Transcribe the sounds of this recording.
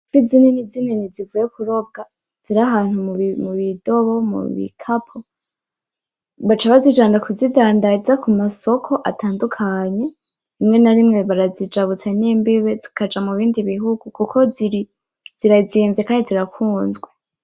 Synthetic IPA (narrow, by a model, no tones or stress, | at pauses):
fizininizininizivuːjekuɾo̞bɡa | z̥iɾaɦaːn̥humuβido̞βo̞mṵβḭkʰapʰo̞ | βat͡ʃaβazid͡ʒaːndakuzidaːndazakumaso̞kʰo̞ʔatʰaːndukʰaɲe̞ | imŋe̞naɾimŋe̞βaɾazid͡ʒaβut͡sanimbiβezikʰad͡ʒamuβiːndiβiɦuɡ̥ukukʰo̞ziɾi | z̥iɾaziːmvzekaːndiziɾakʰuːnzɡwe